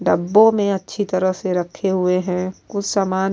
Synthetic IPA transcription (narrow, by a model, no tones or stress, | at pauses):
ɖɐbːõmẽɐtːʃʰit̪ɐɾəɦseɾɐkʰːeɦʊeɦɛ̃ʊt͡ʃʰsamaːn